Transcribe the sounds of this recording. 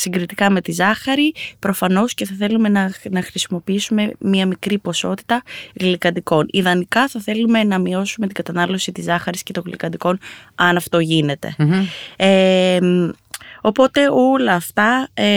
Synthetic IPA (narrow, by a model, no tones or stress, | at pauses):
siŋɡɾit̪ikɐme̞t̪izɐxɐɾipɾo̞fɐno̞sce̞θɐθe̞lume̞nɐnɐxɾisimo̞piisume̞miɐmikɾipo̞so̞t̪i̥t̪ɐɣlikɐd̪iko̞niðɐnikɐθɐθe̞lume̞nɐmio̞sume̞t̪iɡɐt̪ɐnɐlo̞sit̪izɐxɐɾisce̞t̪oɣlḭkɐd̪iko̞nɐnɐft̪o̞ʝine̞t̪e̞̰ | em | o̞po̞t̪e̞o̞lɐːft̪ɐ